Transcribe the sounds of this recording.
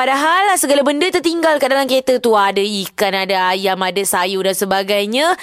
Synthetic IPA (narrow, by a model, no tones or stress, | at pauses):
padaɦalːahsəɡalabəndət̪ərt̪iŋɡalkaʔdalamket̪ət̪uadaikanadaajamadasajudansəbaɡajɲã